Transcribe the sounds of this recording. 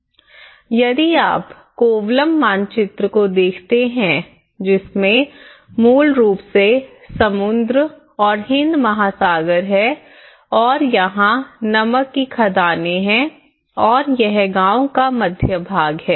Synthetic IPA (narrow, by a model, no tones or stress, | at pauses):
jɐd̪ia̰ːp | koːʋləmːãːnt͡ʃɪt̪ɾəkod̪eːkʰt̪eɦɛ̃ | d͡ʒɪsmẽ | muːlɾuːpse | sɐmʊ̃nd̪ɾ | ɔːɾɦɪ̃nd̪mɐɦasaːɡəɾɦɛ | ɔːɾjɐɦãnɐməkːikʰɐd̪aːneɦɛ̃ | ɔːɾjɛɦɡãːõkamɐd̪ʱjəbʱaːɡɦɛː